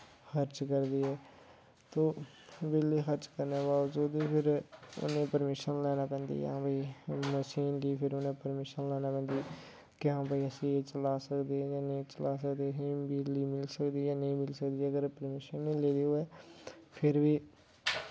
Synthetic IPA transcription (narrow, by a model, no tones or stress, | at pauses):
xəɾt͡ʃkəɾd̪iːɦɛː | t̪oː | bɪlixəɾt͡ʃkəɾnebaːʋəd͡ʒuːd̪ipʰɪɾʊ̰nẽpəɾmɪʃənlɛːnapɛ̃ːnd̪ḭːj̰ɦãːbiməʃiːnkipʰɪɾʊnẽpəɾmɪʃənlɛːnapɛ̃ːnd̪iː | keɦãːbəiəsiet͡ʃəlaːsəkd̪iɛjaːnəĩt͡ʃəlaːsəkd̪isĩbʱiliːmɪlsəkd̪iːɦɛːnəɦĩmɪlsəkd̪iəɡəɾpəɾmɪʃənːĩleːd̪iɦuɛː | pʰɪɾbiː